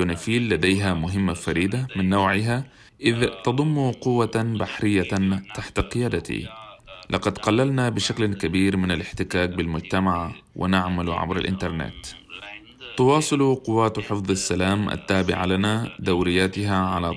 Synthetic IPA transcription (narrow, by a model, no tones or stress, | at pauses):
unafiːlːad̪ejɦamʊɦɪmːafaɾiːd̪amɪnːoːʕɪɦa | ʔɪðt̪ɑd̪ˤʊmːuqʊwːabaħɾɪjːat̪aħt̪aqɪjaːd̪at̪ḭlʔɑqɑd̪qɑlːalnabɪʃaklkabiːɾmɪnalɪħt̪ɪkaːk̚bɪlmʊd͡ʒt̪amaʕawʔɪ̰naʕmalʕa̰bɾa̰lʔɪ̰nt̪ɑɾˤnḛːt̪ | t̪ʊwɑːsˤɨluqʊwːaːt̪ħɪfðˤasːalaːmʔa̰t̪ːaːbɪ̰ʕa̰lanad̪ːawɾɪjːaːt̪ɪɦaʕala